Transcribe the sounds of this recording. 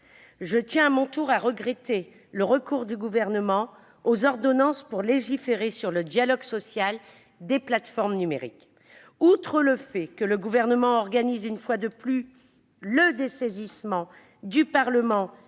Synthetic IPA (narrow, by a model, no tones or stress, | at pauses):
ʒət̪jɛ̃amɔ̃t̪uʁaʁəɡʁet̪e | ləʁəkuʁd̪yɡuvɛʁnəmɑ̃ | ozɔʁd̪ɔnɑ̃spuʁleʒifeʁesyʁləd̪jalɔɡsɔsjal | d̪eplat̪fɔʁmnymḛʁḭk | ut̪χələfɛkələɡuvɛʁnəmɑ̃ɔʁɡanizynfwad̪əplys | ləd̪esezismɑ̃ | d̪ypaʁləmɑ̃